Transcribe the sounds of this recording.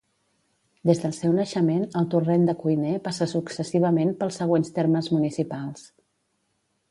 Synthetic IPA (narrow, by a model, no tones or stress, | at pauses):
d̪ezðəlˠsɛwnəʃəmenəlˠt̪urɛnd̪əkujnepasəsuksəsiβ̞əmenpəlˠsːəɣ̞wenst̪eɾməzmunisipalˠs